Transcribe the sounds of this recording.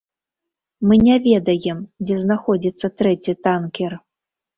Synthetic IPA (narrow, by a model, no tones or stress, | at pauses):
mɨnʲavʲɛd̪ɐjɛmd͡zʲɛznaxɔd͡zʲit̪sːɐt̪ɾɛt͡sʲit̪ankʲɛr